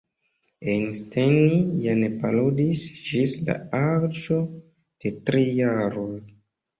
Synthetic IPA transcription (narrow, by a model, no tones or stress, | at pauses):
enstenijanepaludisd͡ʒisla̰aɾd͡ʒo̞ | d̥etɾijaɾoj